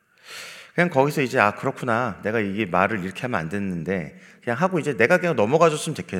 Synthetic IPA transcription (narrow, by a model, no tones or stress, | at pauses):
kɯɲaŋkʌɡisʰʌid͡ʑe̞akɯɾʌkʰunane̞ɡaiɡe̞maɾɯɾiɾʌkʰe̞hamʌna̰nde̞nːɯnde̞̰kɯɲaŋɦaɡoid͡ʑe̞ne̞ɡakɯɲaŋnʌmʌɡad͡ʑos͈ɯɯntekʰe